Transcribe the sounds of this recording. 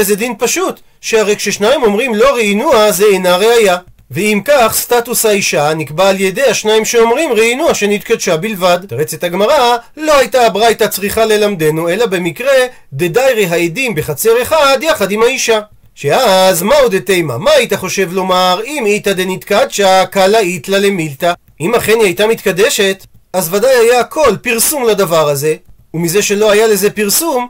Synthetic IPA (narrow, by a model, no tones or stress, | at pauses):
ezedinpaʃut̪ | ʃeaʁejkʃe̞ʃnaimo̞mʁimlo̞ʁeinuazeenaʁe̞aja | veimkaχstatushaiʃanikbaːlje̞deaʃnaimʃeo̞mʁimʁeinuaʃenit̪kad̪ʃabilvadt̪aʁet͡se̞t̪haɡmaʁalo̞hajtabʁajtat͡sʁiχale̞lamd̪e̞nue̞labe̞mikʁe̞ | d̪e̞dajʁeɦaedimbeχat͡se̞ʁe̞χad̪jaχadimhaiʃa | ʃeazmaud̪etejma̰mait̪aχo̞ʃe̞vlo̞maʁimitad̪enitkad̪ʃakalait̪lale̞milta | imaχe̞niajtamit̪kade̞ʃe̞t̪ | azvadajajaːkʰo̞lpiʁsumladavaʁaze̞ | umize̞ʃe̞lo̞ajale̞ze̞piʁsum